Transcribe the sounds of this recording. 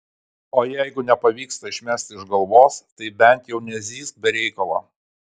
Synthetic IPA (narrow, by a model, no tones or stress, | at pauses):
oːjɛɪɡʊnʲɛpɐʋʲiːkst̪ɐɪʃʲmʲæsʲt̪ʲɪɪʒɡɐlˠʋoːst̪ɐɪbʲɛnʲt̪ʲjɛʊnʲɛzʲiːsk̪̚bʲɛɾʲɛɪkɐlˠɐ̰ː